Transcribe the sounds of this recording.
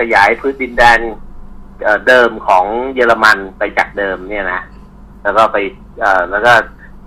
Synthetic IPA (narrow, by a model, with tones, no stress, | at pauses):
kʰa˧jaː˩˦jpʰɯː˦˥t̪̚di˧ndɛː˧n | ʔəː˨˩dɤː˧mkʰɔː˩˦ŋjɤː˧la˧ma˧npa˧jt͡ɕaː˨˩k̚dɤː˧mni˥˩ɐna˦˥ʔ | lɛː˦˥wkɔː˥˩pa˧j | ʔɤː˨˩lɛː˦˥wkɔː˥˩